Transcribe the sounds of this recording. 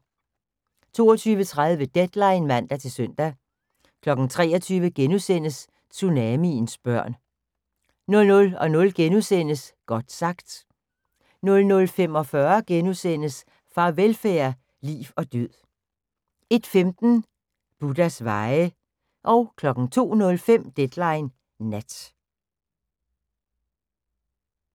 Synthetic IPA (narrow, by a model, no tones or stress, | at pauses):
t͡sʰo̝̰ːɒt͡sʰyːʋət͡sʰʁað̞ˠʋəd̥ed̥lɑ̈ɪnmæn̰d̥æt͡sʰe̝lsøn̰d̥æ | kʰlɒ̽ɡ̥n̩t͡sʰʁɛ̰ːɒt͡sʰyːʋəɡ̥enusen̰əs | t͡sʰunɛminsb̥ɶɐ̰n | nɔ̽lnɔ̽lɒ̽nɔ̽lɡ̥enusen̰əsɡ̥ɒ̽d̥sɑ̈ɡ̥d̥ | nɔ̽lnɔ̽lfem̰ɒ̽fɶɐɡ̥enusen̰əs | fʁɑ̈ʋelfæːɐ | lḭːʋɒ̽d̥yð̰ˠ | e̝d̥femd̥n̩ | b̥ud̥æsʋɑ̈ɪə | ʔɒ̽ʊkʰlɒ̽ɡ̥n̩t͡sʰo̝̰ːnɔ̽lfem̰d̥ed̥lɑ̈ɪnː | æd̥